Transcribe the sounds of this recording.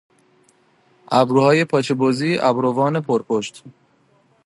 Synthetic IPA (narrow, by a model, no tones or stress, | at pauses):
æbɾuhɒːjepʰɒt͡ʃʰebɔziːʔæ̰bɾovɒːnepʰoɾpʰoʃt̪